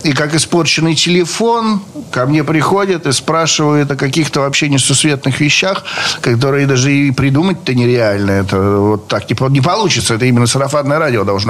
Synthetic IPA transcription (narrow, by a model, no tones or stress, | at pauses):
ikakɪspo̞rt͡ɕɪnːɨjtʲɪlʲɪfo̞nkɐmnʲepɾʲɪxo̞dʲɪt̪ɨspɾaʂɨvəjɪt̪ɐkɐkʲixt̪əvɐpɕːenʲɪsʊsvʲe̞t̪nɨxvʲɪɕːaxkɐt̪̬o̞ɾɨjɪd̪aʐɨipɾʲɪd̪umət̚ʲt̪ːənʲɪɾʲɪalʲnəɛt̪əvo̞t̪ːaknʲɪpnʲɪpɐlˠut͡ɕɪt̪səɛt̪əimʲɪnːəsəɾɐfanːəjəɾadʲɪod̪ɐlˠʐna